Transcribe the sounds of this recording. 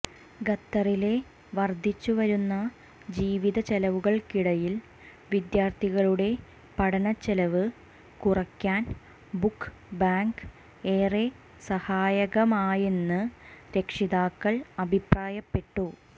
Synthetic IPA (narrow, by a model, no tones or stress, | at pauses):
ɡɐt̪ːɐrile̞ | ʋɐrd̪ʱːit͡ɕːuʋɐɾunːɐ | d͡ʑiːʋiðɐt͡ɕelɐʋuɣɐɭkiɽɐjil | ʋid̪jaːrt̪ʰiɣɐɭuɽe̞ | pɐɽɐnɐt͡ɕːelɐʋɨ | kurɐkʲːaːn | bukː | baːŋɡ | eːre | sɐhaːjɐɣɐmaːjenːɨɾe̞kʂiðaːkːɐɭɐbʱipraːjɐpːe̞ʈːu